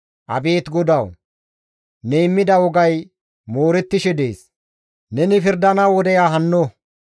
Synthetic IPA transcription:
ʔɐ̰beːt̪ɡɔd̪ɐw | nɛɪmːɪd̪ɐwɔɡɐj | moːɾɛt̪ːɪʃɛd̪e̞̰ːs | nɛnɪfɪɾd̪ɐnɐwɔd̪ɛjaːɦɐnːo

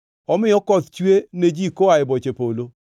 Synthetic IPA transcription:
ɔmɪɔkɔt̪t͡ʃwened͡ʒikoaɪbɔt͡ʃepolo

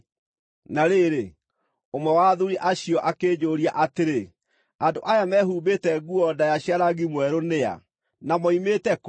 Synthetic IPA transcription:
naɾeɾe | omɛwaðuɾiʔaɕiɔʔakeːd͡ʑoːɾiaʔateɾe | andoʔajamɛːɦuːbetɛɡuɔdajaɕiaɾaɣimwɛɾonea̰ | namɔimetɛk

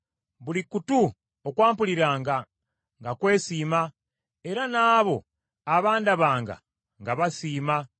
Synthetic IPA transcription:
βulikutu | okwaːmpuliɾaːŋɡa | ŋɡakwe̞ːsiːma | e̞ɾanaːβo̞ | aβaːndaβaːŋɡa̰ | ŋɡaβasiːma

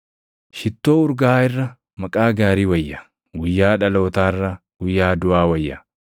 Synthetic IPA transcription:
ʃɪt̪ːoːʊɾɡaːɪrːɐ | mɐkʼaːɡaːɾiːwɐjːɐ | wɪjːaːᶑɐlo̞ːt̪aːɪrːɐ | wʊjːaːd̪ʊʔaːwɐjːɐ̰

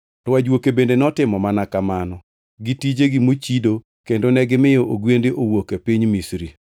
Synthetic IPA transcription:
rwad͡ʒwokebendenɔtɪmɔmanakamanɔ | ɡitid͡ʒeɡimot͡ʃido | kendonɛɡɪmɪjɔʔoɡwendeʔowokepiɲmisɾi

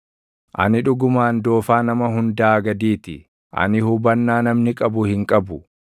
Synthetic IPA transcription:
ʔɐ̰nɪᶑʊɡʊmaːnd̪o̞ːfaːnɐmɐɦʊnd̪aːɡɐd̪iːt̪ɪ | ʔɐ̰nɪhʊbɐnːaːnɐmnɪkʼɐbʊhɪŋkʼɐbʊ

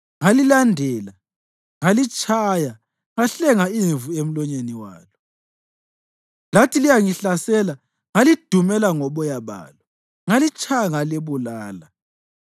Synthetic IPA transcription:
ŋalilandʱɛla | ŋalit͡ʃʼʰaja | ŋaɬɛŋaiɱvuem̩lɔɲeniwa̰ːlɔ | latʰilijaŋiɬasɛla | ŋalid̥ʱumɛlaŋɔɓɔjaβa̰ːlɔ | ŋalit͡ʃʼʰajaŋaleβulaːla

